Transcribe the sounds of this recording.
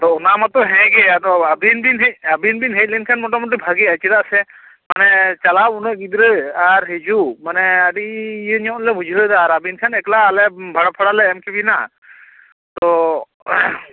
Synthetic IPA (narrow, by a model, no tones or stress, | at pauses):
t̪ɔɔnamat̪ɔɦɛ̃ɡɛat̪ɔabinbinɦabinbinɦɛt̚ˀlɛnkʰanmɔʈamuʈ̬ibʱaɡiat͡ʃiɾaʔsɛ | manɛt͡ʃalabunəʔɡid̪ɾəaɾɦed͡ʒumanɛaɖijənɔ̃lɛbud͡ʒʱəd̪aːɾabinkʰanɛklaːlɛbʱaɽapʰɔɽalɛːmkibina | t̪ɔ